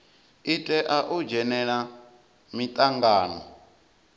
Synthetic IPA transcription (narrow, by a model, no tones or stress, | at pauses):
itʼɛʔaʔud͡ʒɛnɛɺa | mit̪ʼaŋɡaːnɔ̰